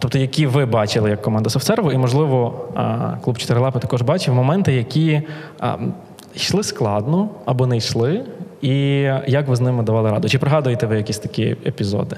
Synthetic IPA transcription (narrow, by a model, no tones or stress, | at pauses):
t̪ɔp̚t̪ɔjɐkʲiʋɪbɑt͡ʃɪlˠɪjɐkːɔmɑnd̪ɐsɔwt̪sɛrʋʊimɔʒlˠɪʋɔ | klˠupt͡ʃɪ̥t̪ɪɾlˠɑpɪt̪ɐkɔʒbɑt͡ʃɪwmɔmɛnt̪ɪjɐkʲḭ | ʃlˠɪsklˠɑd̪nɔɐbɔnɛjʃlˠɪijɐkʋɪznɪmɪd̪ɐʋɑlˠɪɾɑ̰d̪ʊt͡ʃɪpɾeɦɑd̪ʊjet̪ɛʋɪjɐkʲisʲt̪ɐ̥kʲḭḛpʲizɔ̰d̪ɪ